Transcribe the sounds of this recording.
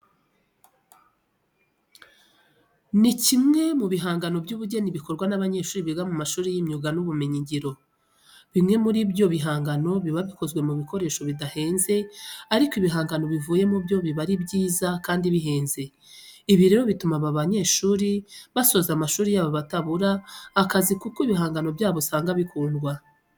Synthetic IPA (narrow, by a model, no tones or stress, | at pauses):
nicimŋe̞muβiɦaːŋɡano̞bɟuːβuɟeniβiko̞ɾɡwanaβaɲe̞ːʃuːɾiβiɡamumaʃuːɾijimɲuɡanuβume̞ɲiɲɟiɾo̞ | βimŋe̞muɾibɟo̞βiɦaːŋɡano̞βiβaβiko̞zɡwe̞muβiko̞ɾe̞ːʃo̞βidahe̞ːnze̞aɾikoiβiɦaːŋɡano̞βivuːje̞mubjo̞βiβaɾibɟiːzakaːndiβiɦe̞ːnze̞ | iβiɾe̞ːɾo̞βitumaβaβaɲe̞ːʃuːɾiβaso̞zamaʃuːɾijaβoβataβuɾaːkazikukoiβiɦaːŋɡano̞bjaːβosaːŋɡaβikuːndɡwa